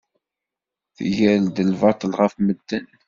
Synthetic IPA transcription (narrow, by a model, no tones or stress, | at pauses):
θjæld̪əlvɑt̪ˤəlʁəfməd̪ːən